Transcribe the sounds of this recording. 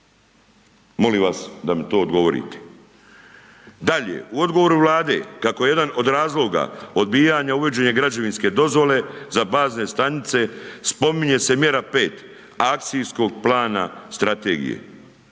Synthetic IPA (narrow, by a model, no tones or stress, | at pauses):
mo̞limʋasd̪amet̪o̞ːd̪ɡo̞ʋo̞ɾḭt̪e̥ | d̪aʎe̞̰uo̞d̪ɡo̞ʋo̞ɾuʋlaːd̪e̞̰kako̞jejed̪ano̞d̪ɾaːzlˠo̞ɡa̰o̞d̪̚biːjaɲauʋe̞d͡ʑe̞ɲeɡɾad͡ʑoʋinske̞d̪o̞zʋo̞le̞zabaːzne̞st̪anit̪se̞spo̞miɲe̞se̞mje̞ɾape̞ːt̪ | ak̚t̪sijsko̞ɡplaːna̰st̪ɾat̪ḛːɡḭjḛ